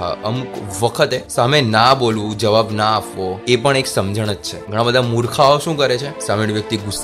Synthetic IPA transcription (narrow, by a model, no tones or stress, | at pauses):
ɦa̰əmukʋəkʰət̪esamenabolʋũd͡ʒəʋabnaːpʋoepəɳeksəmd͡ʒəɽ̃ət̪t͡ʃʰeɡʱəɽ̃abəd̪ʱamuɾkʰaoʃũkəɾet͡ʃʰesaʋiɽʋjək̚t̪iɡus